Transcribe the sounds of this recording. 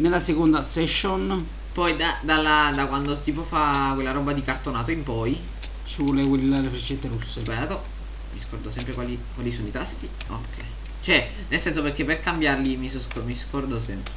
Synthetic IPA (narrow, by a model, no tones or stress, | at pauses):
nelːasekond̪asɛʃːon | pɔjd̪ad̪alːad̪akwand̪ot̪iːp̬ofakwelːaɾɔbːad̪ikart̪onaːt̪oimpɔj | t͡ʃivɔlekelilaɾefɾet͡ʃːɛnt̪eɾusːezbaɾaːt̪o | miskɔrd̪osɛmpɾekwalikwalisɔːnoit̪ast̪i | o̰kʰːɛj | t͡ʃɛ | nelsɛnsoperk̟eperkambjarlimisskomiskɔrd̪osɛmpe